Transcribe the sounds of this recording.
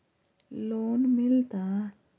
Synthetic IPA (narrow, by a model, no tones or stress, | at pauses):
lonmilt̪a